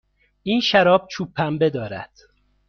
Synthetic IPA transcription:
ʔiːnʃæɾɒːb̚t͡ʃʰuːpʰːæmbe̞d̪ɒːɾæ̰d̪̥

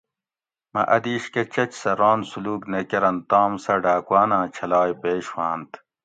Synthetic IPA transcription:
mɐ̰ʔɐd̪iːɕket͡ɕɐt͡ɕsɐɾɑːnsuluːknekɐɾɐnt̪aːmsɐɖaːkwaːnãːt͡ɕʰɐlaːjpeːɕwaːnt̪

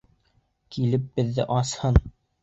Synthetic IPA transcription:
kilɘp̚bɘ̆ðːɘʔɑshɤn

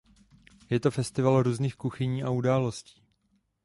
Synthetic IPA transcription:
jɛt̪o̞fɛst̪ɪvalɾuːzniːxkuxɪɲiːʔaudaːlo̞sci̥ː

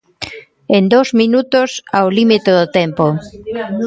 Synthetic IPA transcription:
end̪owzmĩnut̪osawlimit̪oðot̪ɛmpo

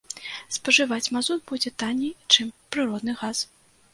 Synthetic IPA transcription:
spɐʐɨvat͡sʲmazud̪bud͡zʲɛt̪anʲit͡ʂɨmpɾɨɾɔd̪nɨɣas

